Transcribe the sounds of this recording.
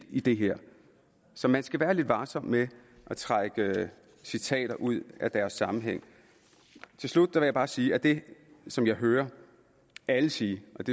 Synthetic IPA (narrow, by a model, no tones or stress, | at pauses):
id̥e̝ɦeɐ̰ | sɒ̽mænsɡ̥æʋæːɐle̝d̥ʋɑ̈ːsɒ̽mme | ʔæt͡sʰʁaɡ̥ə | sit͡sʰɛ̰ːɾ̥ɐʔuð̞̰ˠæd̥æɐsːɑ̈mn̩ɦeŋ̰ | t͡sʰe̝lslud̥̚d̥æʋe̝jɑ̈ɪb̥ɑ̈ːsiːæd̥e̝sɒ̽mjɑ̈ɪɦøːɐ | æləsiːʔɒ̽d̥e̝